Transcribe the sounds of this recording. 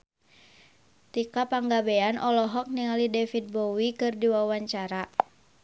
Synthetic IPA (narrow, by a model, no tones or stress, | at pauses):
t̪ikapaŋɡabeanʔɔlɔɦɔk̚niŋalidɛfit̪̚bɔwikɨrdiwawaɲt͡ʃaɾa